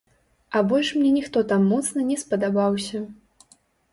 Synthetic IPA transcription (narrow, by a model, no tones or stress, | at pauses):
ɐbɔlʲʂmnʲɛnʲixt̪ɔt̪amːɔt̪snɐnʲɛspɐd̪abawsʲɐ